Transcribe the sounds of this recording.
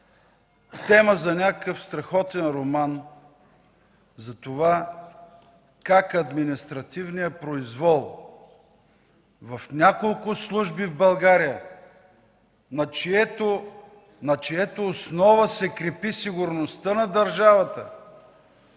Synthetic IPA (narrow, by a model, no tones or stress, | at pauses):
t̪ɛməzɐnʲakəfst̪ɾɐxɔt̪ɛnɾoman | zɐt̪ova | kakɐd̪minist̪ɾɐt̪ivnijəpɾoizvɔlˠ | vɐfnʲakolˠkʊslˠuʒbivbɐlˠɡaɾijə | nɐt͡ʃiɛt̪o | nɐt͡ʃɛjɛt̪oːsnɔvəsɛkɾɛpisiɡʊɾnost̪ənɐd̪ɐɾʒavɐt̪ə